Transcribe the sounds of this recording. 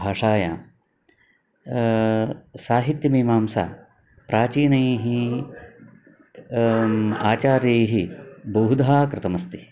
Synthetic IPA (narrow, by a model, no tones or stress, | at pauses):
bʱaːʂaːjaː | saːɦit̪jɐmiːmaːmsa̰ː | pɾaːt͡ʃiːnɐjeɦi | aːt͡ʃaːɾjeːɦibɐɦud̪ʱaːkɾɪt̪ɐmɐst̪i̥